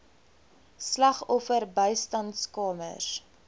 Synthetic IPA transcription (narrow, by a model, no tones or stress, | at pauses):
slɐχɔfərbəjstɐntskɑːmə̰s